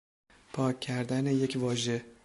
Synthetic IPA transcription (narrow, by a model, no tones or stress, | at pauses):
pʰɒːcʰːæɾd̪æneje̞cʰvɒːʒe̞